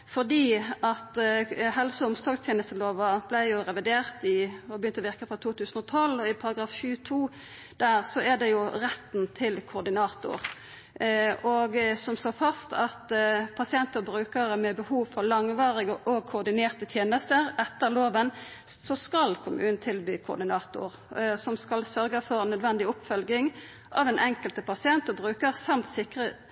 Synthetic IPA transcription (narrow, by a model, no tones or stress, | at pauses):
fɔʁd̪iːʔɑt̪hɛlsəʊmsɔɡst̪ʰjeːnəst̪əloːʋɑb̥læɪjʊʁɛʋɪd̪eːʁt̪ɪɔbəjʏnt̪əʋɪʁkəfʁɑt̪ʰuːt̪ʉːsən̩ɔt̪ʰɔlːɔɪpʰɑɾɑɡɾɑːfʃʉːt̪ʰuː | d̪̥æːʁsɔæd̪ɛjʊʁɛt̪ːnt̪ʰɪlkʰʊd̪ɪnɑːt̪ʊ̰ɾ | ɔɡsɔmsloːfɑst̪ʰɑt̪pʰɑsɪɛnt̪əʁbɾʉːkəɾəmɛbəhuːʋfɔlɑŋʋɑːʁɪɡəʔɔɡ̚kʰʊːʁd̪ɪneːʁt̪ət̪ʰjeːnəst̪əʁɛt̪ːəʁloːʋən | sɔskɑlkʰʊmʔʉ̰ːnn̩t̪ʰɪlbyːkʰʊ̰d̪ɪnɑːt̪ʊ̰ʁ | sɔmskɑlsœɾɡəfɔʁnœd̪ʋɛnd̪ɪʊpfœlɡɪŋ | ʔɑʋɛnʔɛŋkəlt̪əpʰɑsɪɛnt̪ɔbʁʉːkəʁsɑmt̪sɪkʁə